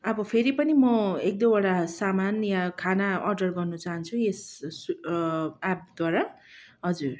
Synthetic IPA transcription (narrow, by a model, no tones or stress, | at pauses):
ʌbʌpʰeɾipʌnimʌek̚d̪ʌ̃bʌɽasamanjakʰanaʌrɖʌrɡʌrnut͡saɦʌnt͡sʰues | ap̚d̪waɾa | ɦʌd͡zur